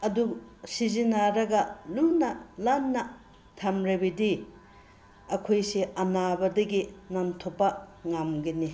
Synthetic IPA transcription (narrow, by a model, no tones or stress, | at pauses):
ɐdusizinaɾɐɡɐlunɐlanːɐ | tʰamɾebidi | ɐkʰojsiʔɐnabɐdɐɡinantʰopːɐŋamɡini